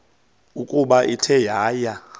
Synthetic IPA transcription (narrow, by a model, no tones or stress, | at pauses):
ukʼuɓaʔitʰɛjaːja